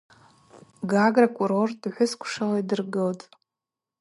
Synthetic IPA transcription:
ɡaɡrakʷʼuɾordʼħʷʊskʷʰʂalaidɨrɡɨltʼ

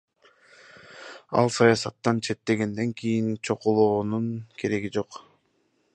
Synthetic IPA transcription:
ɑ̰lˠsɑjɑsɑt̪ːɑnt͡ʃʰe̞t̪ːe̞ɡe̞nd̪e̞ŋkʰijint͡ʃʰo̞qulˠoːnunkʰe̞ɾe̞ɡid͡ʒo̞q

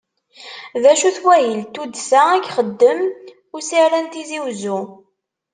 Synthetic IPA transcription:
ðæʃuθwæjəlt̪ud̪sæækχəd̪ːəm | ʊɾsiɾænt̪iziwzu

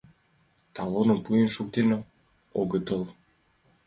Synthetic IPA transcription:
t̪ɑlonɤ̆npujənʃuk̚t̪enɤ | oɣət̪ɤlˠ

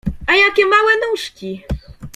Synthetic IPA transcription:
ajakʲɛmawɛnuʂkʲi

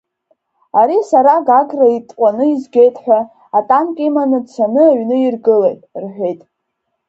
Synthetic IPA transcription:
aɾisaɾaɡaɡraitʼqʷʼanɨizɡʲe̞jtʼħᶣʷaː | tʼamkʼimanɨt͡sʷʰanɨaɥnɨirɡɨlejtʼrħʷᶣe̞jtʼ

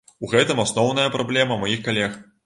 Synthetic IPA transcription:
uɣɛt̪ɨmasnɔwnɐjɐpɾʔablʲɛmɐmajixkalʲɛx

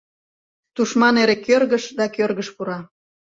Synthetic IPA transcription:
t̪uʃmɑneɾekørɣəʃd̪ɑkørɣəʃpuɾɑ

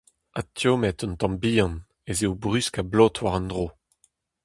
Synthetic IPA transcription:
atʰjomɛt̪ɔ̃nt̪ɑ̃mbiːɑ̃n | ezeobʁyskablɔtwaʁɑ̃ndʁo

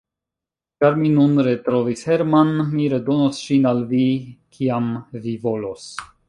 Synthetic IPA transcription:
t͡ʃaɾminunɾe̞t̪ɾo̞vishe̞ɾmanmiɾe̞do̞nosʃinalvikʰiamvivo̞los

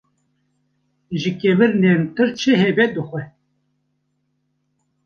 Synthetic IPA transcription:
ʒɨkevɨɾnent̪ɨɾt͡ʃʰɨɦebɛd̪ɨxʷɛ

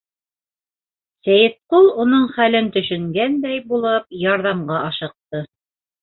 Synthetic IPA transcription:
sæjɘ̆t̪̚qulˠunɤɴχælɘnt̪ɵ̆ʃɵ̆ŋɡænd̪æjbulˠɤp̚jɑɾðɑmɢɑʔɑʃɤ̆q̚t̪ɤ

